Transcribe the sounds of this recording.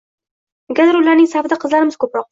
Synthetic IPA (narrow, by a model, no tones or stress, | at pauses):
ɡʲad̪ɾʊlaɾnɪŋsavd̪aqʰɨzlaɾɪmɪz̥kʰɵpɾɒq̚